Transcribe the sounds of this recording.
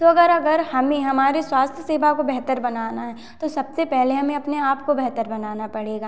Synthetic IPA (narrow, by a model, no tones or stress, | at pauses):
t̪oɐɡəɾɐɡəɾhɐmẽɦɐmaːɾeswaːst̪ʰjəseːbakobɛɦt̪əɾbɐnaːnaɦɛ | t̪osɐbsepɛɦleɦɐmẽɐpneaːpkobɛɦt̪əɾbɐnaːnapɐɽeːɡaː